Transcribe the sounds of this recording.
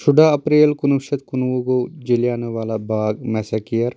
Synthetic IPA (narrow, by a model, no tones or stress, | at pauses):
ʃʊɖʱaɐpɾeːlkʊnuʃɐt̪̚kʊnʋuɡoːd͡ʒɪljaːnɐʋaːlabaːɡmɛːsakijəɾ